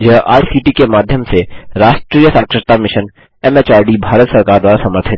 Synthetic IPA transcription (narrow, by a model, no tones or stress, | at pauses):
jɐɦʔa̰ːisiːʈikemaːd̪ʱjəmseɾaːʃʈɾijəsaːkʃɪt̪amɪʃən | ɛmeːt͡ʃaːɖibʱaːɾət̪sɐɾkaːɾd̪waːɾasɐməɾt̪ʰə